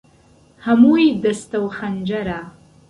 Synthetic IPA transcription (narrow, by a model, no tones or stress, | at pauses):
hamujdɐstʰɐwχand͡ʒaɾaː